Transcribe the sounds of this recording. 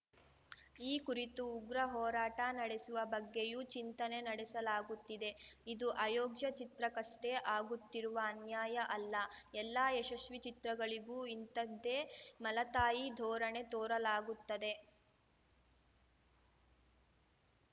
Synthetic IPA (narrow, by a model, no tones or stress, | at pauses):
iːkuɾit̪uːɡɾɐɦɔːɾaːʈɐnɐɽesuʋɐbɐɡːejut͡ʃint̪ɐne̞nɐɽesɐlaːɡut̪ːid̪e̞id̪uʔɐjɔːɡjɐt͡ʃit̪ɾɐkɐsʈeʔaːɡut̪ːiɾuʋɐːnjaːjɐʔɐlːɐɛlːaːeʃɐʃʋit͡ʃit̪ɾɐɡɐɭiɡuːint̪ɐd̪ːeːmɐlɐt̪aːjid̪ʱɔːɾɐɳe̞t̪oːɾɐlaːɡut̪ːɐd̪e̞